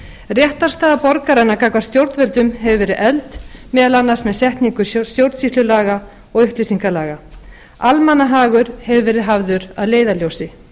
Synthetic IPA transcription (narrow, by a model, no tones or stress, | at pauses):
rjɛht̪aɾst̪aːðapɔɾkaɾanakʰaːkvast̪jowɾt̪vɛlt̪ʏmɦɛvʏvɛːɾɪðʔɛlt̪mɛːðalanːasmɛðsjɛht̪niŋkʏsjowɾt̪sislʏlaːɣa | ɔɣʏhplɪsiŋkalaːɣa | almanːaɦaːɣʏɾhɛvʏvɛːɾɪðɦavðʏɾa̰ðleːjðaljowsɪ